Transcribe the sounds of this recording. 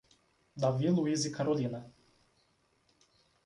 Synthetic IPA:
d̪avilˠuizikaɾɔlʲina

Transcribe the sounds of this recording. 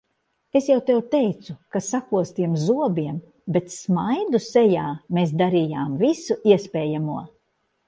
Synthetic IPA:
esjawt̪ɛwt̪ɛjt̪sukasakuɔst̪iɛmzuɔbiɛm | bet̪smajd̪usɛjaːmeːs̬d̪aɾijaːmvisuʔiɛspɛːjamuɔ

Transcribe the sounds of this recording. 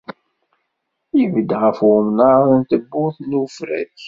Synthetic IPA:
jivəd̪ʁəfʊmnəənt̪əbːʊθnufɾæ̰ç

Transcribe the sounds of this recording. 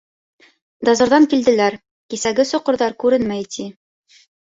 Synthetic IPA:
d̪ɑzŏɾðɑŋkild̪ɘ̆læɾ | kisæɡɘsŏqɤ̆ɾðɑɾkʉɾɘnmæjt̪ʰi

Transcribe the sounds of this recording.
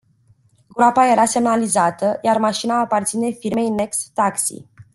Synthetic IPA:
ɡɾapaje̞ɾase̞mnalizat̪əjarmaʃinaːpart̪sine̞firme̞jne̞kst̪aksḭ

